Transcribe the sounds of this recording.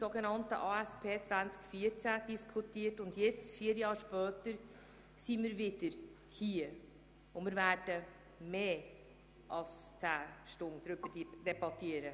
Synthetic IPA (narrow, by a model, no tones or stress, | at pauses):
soɡɛnɑntə̰ʔɑːæspʰeːt͡svænt͡skfiːəɾt͡sæd̥iskʰutiːtʊndjɛt͡sfiːəɾjɑːɾʃpœːtəɾ | simiːɾvɪd̥əɾ | hiːə | ʊmɪːɾvæɾd̥ə | meː | ʔɑlst͡sæːʃtʊnd̪ɾʏbə̥d̥ɛbɑtiəɾə